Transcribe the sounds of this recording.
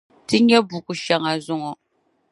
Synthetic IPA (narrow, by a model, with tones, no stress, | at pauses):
tɨ˦ɲɛ˦bu˨kʊ˨ʃa˨ŋa˨zʊ˦ŋɔ˨